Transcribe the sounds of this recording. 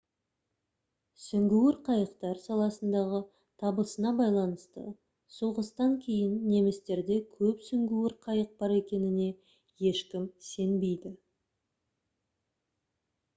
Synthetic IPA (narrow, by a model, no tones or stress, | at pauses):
sʏŋɡʲuwɪɾqʰɑjəqt̪ɑɾsɑlˠɑsənd̪ɑʁə | t̪ʰɑbəsənɑbɑjlˠɑnəst̪ə̰ | sulˠʁəst̪ɑŋkʲʰe̞jɪnːe̞mɪst̪e̞ɾd̪e̞kʲʰɵpsʏŋɡʲuwɪɾqʰɑjəq̚bɑɾe̞kʲe̞nɪne̞ | je̞ʃkʲɪmse̞nbe̞jd̪ɪ